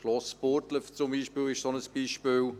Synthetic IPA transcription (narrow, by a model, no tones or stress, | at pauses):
klɔspʊrtləft͡sʊmbiːʃpiːlɪʃsɔnəsb̥iːʃpiːl